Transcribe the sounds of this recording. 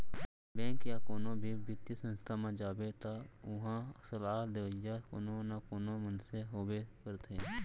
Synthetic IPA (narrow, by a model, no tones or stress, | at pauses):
bɛ̃ːkjaːkoːnobʱibɪt̪isə̃nst̪ʰamãd͡ʒaːbet̪aʊɦãsəlaːd̪ɪjako̰ːnonakoːnomənseɦoːbekəɾt̪ʰẽː